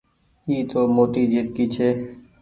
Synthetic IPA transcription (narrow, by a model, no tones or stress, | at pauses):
iːt̪oːmoːt̪iːd͡ʒeːɾkiːt͡ʃʰeː